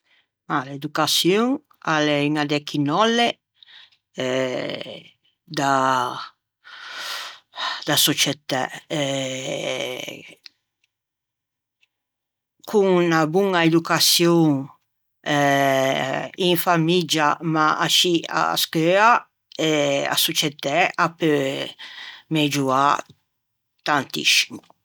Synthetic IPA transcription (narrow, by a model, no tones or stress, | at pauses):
maled̪ukasjoŋ | aleiŋad̪ɛkʰinɔlːe | ɛ | d̪a | d̪asot͡ʃet̪aɛ | kʰuŋnabuŋaed̪ukasjoŋ | ɛ | iɱfamid͡ʒamaaʃia̰skea | ea̰sot͡ʃɛt̪ɛape | med͡ʒua | t̪ant̪ḭsi̥mu